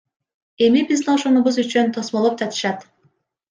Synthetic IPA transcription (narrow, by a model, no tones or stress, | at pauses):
e̞mibizd̪ioʃonuβuzyt͡ʃynt̪ʰo̞smolˠop̚d͡ʒɑt̪ʰɯ̥ʃɑt̪